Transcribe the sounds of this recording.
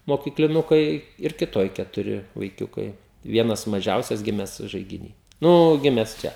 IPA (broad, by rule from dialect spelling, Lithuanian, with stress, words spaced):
moːkʲiːklʲɪˈnʊkɐɪ ɪr kʲɪˈtoːj kʲɛtʊˈrʲɪ ʋɐɪˈkʲʊkɐɪ ˈʋʲiɛnɐs mɐˈʒʲɛʊsʲɛs ˈɡʲɪmʲɛs ʒɐɪɡʲɪˈnʲiː ˈnʊ ˈɡʲɪmʲɛs ˈt͡ʃʲɛ